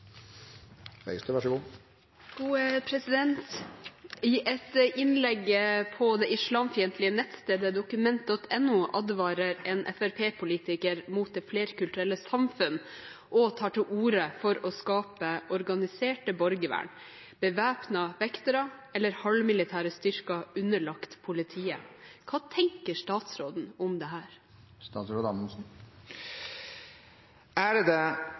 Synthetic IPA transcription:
ɛ̰ɡst̪ʉʋæʂəɡuː | ɡ̥uːəpʰɾɛsɪd̪ɛnt̪ | ɪʔɛt̪ʔɪnlɛɡːəpʰɔd̪ɛːɪʂɭɑːmfɪənt̪ʰlɪənɛt̪st̪eːd̪əd̪ʊkʉmɛnt̪̚d̪ɔt̪ʰɛnːuʔɑd̪ʋɑːɾəɾɛːnʔɛ̰fæɾpʰeːpʰʊliːt̪ɪkəɾmuːt̪̚d̪ɛːfleːɾkʉlt̪ʉɾɛlːəsɑmfʉnʔɔt̪ʰɑːʈɪluːɾəfɔɾɔskɑːpəʔɔɾɡɑnɪseːʈəbɔɾɡəʋæ̰ːɳ | b̥əʋæːpnɑʋɛkt̪əɾɑɛlːəɾhɑlmɪlɪt̪ʰæːɾəst̪ʏɾkɑʉnːəɭɑkt̪pʰʊlɪt̪ʰiːəkʰɑːt̪ʰɛŋkəʂt̪ɑːt̪sɾoːd̪n̩ʊmd̪ɛɦæːɾ | st̪ɑːt̪sɾoːd̪ɑməsn̩ | æɾd̪ɛ

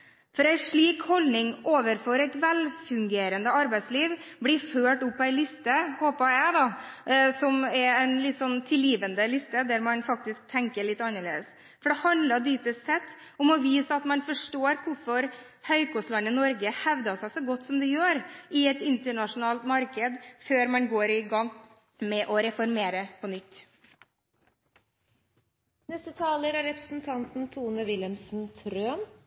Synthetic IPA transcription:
fɔɾæɪʂɭiːkhɔlnɪŋoːʋəɾfɔɾæɪt̪ʋɛlfʉŋɡeːɾənd̪əɑɾbæɪd̪sliːʋblɪɾføːʈʊpːɔæɪlɪst̪əhoːpɑjæɪd̪ɑsɔmɛɾæɪnlɪt̪ːsɔnːt̪ʰɪljiːʋənd̪əlɪst̪əd̪æɾmɑnfɑkt̪ɪsk̚t̪ʰɛŋkəɭɪt̪ːɑnːəɭḛːd̪əs | fɔɖɛhɑnd̪lɑd̪yːpəst̪sɛt̪ː | ɔmɔʋiːsəɑt̪mɑnfɔʂʈoːɾkʰʊɾfɔɾ | hœʏkʰɔst̪lɑnːənɔɾɡəhɛʋd̪ɑsæɪsɔɡɔt̪ːsɔmd̪ɛjøːɾɪɛt̪ɪnt̪əɳɑʂʊnɑːlt̪mɑɾkəd̪føːɾmɑnɡoːɾɪɡɑŋː | mɛʔɔɾɛfɔɾmeːɾəpʰɔnʏt̪ː | nɛst̪ət̪ʰɑːləɾæɾɛpɾəsn̩t̪ʰɑnt̪n̩t̪ʰuːnəʋɪləmsn̩t̪ʰɾøːn

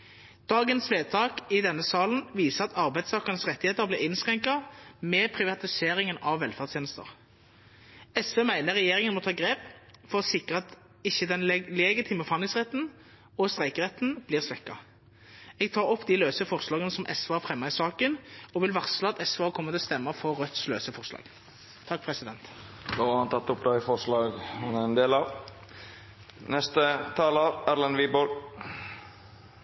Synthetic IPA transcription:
d̪̥ɑːɡənsʋeːd̪̚t̪ʰɑːkɪd̪ɛnːəsɑːln̩ʋiːsəʁɑt̪ʰɑʁbæɪd̪st̪ʰɑːkɑʁnəsʁɛt̪ːɪheːt̪əʁblɪːʁɪnsʁɛŋkɑmɛpʰʁɪʋɑt̪ɪseːɾɪŋənɑʋʋːɛlfæʁd̪st̪jeːnəst̪ə̰ʁ | ɛsfeːmæɪnəʁɛjeːʁɪŋənmɔt̪ʰɑːɡʁeːpfɔʁɔsɪkʁəɑt̪ | ɪçːəd̪ɛnlɛɡɪt̪ʰiːməfɑnɪŋsʁɛt̪ːn̩ | ɔst̪ʁæɪkəʁɛt̪ːn̩b̥liːʁsʋɛkːɑ̰ | ɛɡ̚t̪ʰɑːɾɔpːd̪iløːsəfɔʁslɑːɡənəsɔmʔɛsʋɑːæfʁɛmːɑɪsɑːkənɔʋɪlʋɑʁsləɑt̪ɛsʋɑːkʰɔmːət̪ɪlɔst̪ɛmːəfɔʁːœt̪sløːsəfɔʁslɑ̰ːɡ̥ | t̪ʰːɑk̚ːpʰʁɛsɪd̪ɛnt̪d̪ohɑnt̪ʰɑt̪ːʊpd̪ɑɪfɔɾslɑːɡhʊnæɾɛnd̪eːlɑʋ | nɛst̪ət̪ʰɑːləɾæɾlənʋiːbol

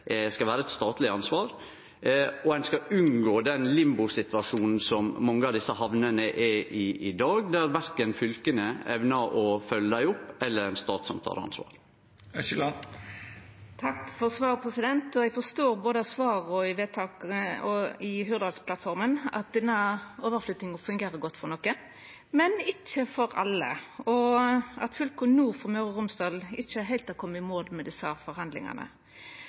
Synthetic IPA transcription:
skɑʋæːɾəɛt̪st̪ɑːt̪lɪɑnsʋɑːɾ | ɔænskɑʉnɡoːd̪ɛnlɪmbʊsɪt̪ʋɑʂuːnn̩sɔmːɑŋːəɑʋd̪ɪsəhɑʋnənəʔɛʔɪɪd̪ɑːɡd̪æɾʋæɾkənfʏlkənəɛʋnəɾɔfœlːəd̪æɪʊpːɛlːəɾɛnst̪ɑ̰ːt̪sɔmt̪ʰɑ̰ːɾɑ̰nsʋɑ̰ːɾ | ʃl | t̪ʰɑkːfɔʁsʋɑːʁpʰɾɛsɪd̪ɛnt̪ɔɛɡfɔʁst̪oːɾboːd̪əɑsʋɑːɾɔɪʋeːt̪ʰɑːkɔɪɦyːɾd̪ɑd̪spʰlɑt̪fɔɾmənɑ̰t̪̚d̪ɪnːəoːʋəɾflʏːt̪nɪŋəfʉŋɡeːɾəɡɔt̪ːfɔʁnɔkːən | mɛnɪt͡ʃːəfɔɾɑ̰lːə̰ɔʔɑt̪fʉlkɔnuːfɔʁmœʉɾəʁʊmsd̪ɑːlɪçːəɦæɪlt̪ɑkʰɔmːəɪmoːd̪mɛd̪ɪsəfɔɾhɑnd̪lɪ̰ŋɑ̰nʔə̰

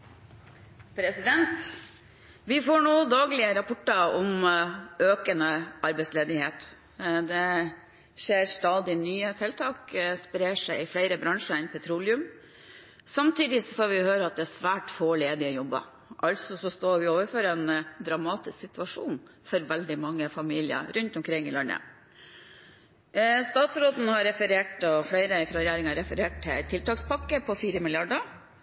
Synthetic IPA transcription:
pʰɾɛsɪd̪ɛnt̪ | ʋɪfoːɳuːd̪ɑːɡlɪəɾɑpʰɔʈːɑɔmʔøːkənəʔɑɾbɛɪsleːd̪ɪheːt̪ | d̪ɛ | ʃeːɾst̪ɑːd̪ɪnyːət̪ʰɛlt̪ʰɑːkspəɾeːʂæɪɪflæɪɾəbɾɑŋʂəɪnpʰɛt̪ʰɾuːlɪʉm | sɑmt̪ʰiːd̪ɪsɔfoːɾʋɪʊhøːɾəɑt̪̚d̪ɛæsʋæːʈfoːɭeːd̪ɪɔjɔbːə̰ | ʔɑlt̪sɔsɔst̪oːɾʋɪoːʋəɾfɔɾɛnd̪ɾɑmɑːt̪ɪsksɪt̪ʉɑʂuːnfɔɾʋɛld̪ɪmɑŋːəfɑmiːlɪə̰ɾʉnt̪ɔmkʰɾɪŋːɪlɑɳə̰ | st̪ɑːt̪sɾoːt̪n̩hɑɾɛfəɾeːʈɔfɽæɪɾəɪfɾɑɾɛjæːɾɪŋɑɾɛfəɾeːʈ̚t̪ʰːɪt̪ʰɪlt̪ɑːkspɑkːəpʰɔfiːɾəmɪljɑɖə

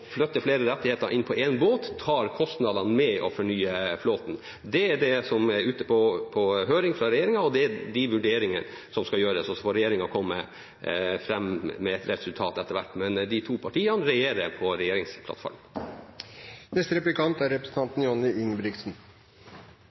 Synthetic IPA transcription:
flœt̪ːəfleːɾəɾɛt̪ːɪeːt̪əɾʔɪnːpʰɔʔɛnboːt̪ʰːɑːɾkʰɔst̪nɑd̪ɑnmɛʔɔ̰fɔɳyːəfloːt̪n | d̪ɛæɖɛsɔmæɾʉːt̪əpʰoːpʰɔɦøːɾɪŋfɾɑɾɛjeːɾɪŋɑɔd̪ɛæd̪ɪʋʉɖeːɾɪŋən | sɔmskɑjøːɾəsɔsɔfoːɾɛjeːɾɪŋɑkʰɔmːə̰ | fɾɛmmɛɛt̪ɾɛsʉlt̪ʰɑːt̪ɛt̪ːəɾʋæ̰ʈːmɛnd̪ɪt̪ʰuːpʰɑʈiːɑnɾɛjeːɾəɾpʰɔɾɛjeːɾɪŋspʰlɑ̰t̪fɔ̰ɾmən | nɛst̪əɾɛplɪkʰɑnt̪æɾɛpɾəsən̩t̪ʰɑnt̪n̩jɔnɪʔɪŋbɾɪksn̩

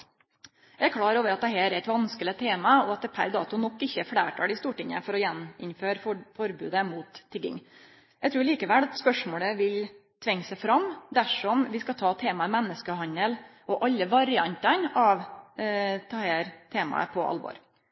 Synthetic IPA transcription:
jæɪæɾkʰɽɑːɾoːʋəɾɑt̪̚d̪ɛɦæːɾæɪt̪ʋɑnskələt̪ʰeːmɑɔɑt̪̚d̪ɛpʰæ̰ɾd̪ɑ̰ːt̪ʊnɔkːɪçːəfɽæːʈʰɑ̰ːlɪst̪uːʈɪŋːə̰fɔɾɔjɛnɪ̰nføːɾfɔɾbʉ̰ːd̪əmuːt̪ʰːɪɡɪ̰ŋ | jæɪt̪ʰɾuːɾɭiːkəʋɛlɑt̪spœʂmoːləʋɪl | t̪ʰʋɛŋːsæɪfɾɑmd̪æʂɔmʋɪskɑt̪ʰɑːt̪ʰeːmɑəmɛnːəskəɦɑnəlʔɔʔɑlːəʋɑɾɪɑnt̪ɑnɑʋ | t̪ʰɑheːɾt̪ʰeːmɑ̰ə̰pʰɔʔɑ̰lʋɔ̰ːɾ

